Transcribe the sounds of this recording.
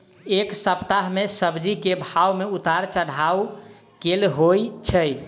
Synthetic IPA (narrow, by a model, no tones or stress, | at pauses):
eksəpt̪aɦmesəbd͡ʒikebʱawmeut̪aɾt͡ʃəɽ̤aw | kelɦojt͡ʃʰəj